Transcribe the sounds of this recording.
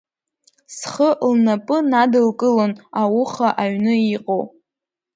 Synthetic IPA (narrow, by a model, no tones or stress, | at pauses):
sχəʔlnapʼɨnadɨlkʼɨlonawuχaʔaɥnɨiqʼow